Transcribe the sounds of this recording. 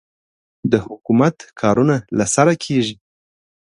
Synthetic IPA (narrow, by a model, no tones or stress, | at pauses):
d̪əhʊkumat̪kʰɑɾunalasaɾakʰeʒi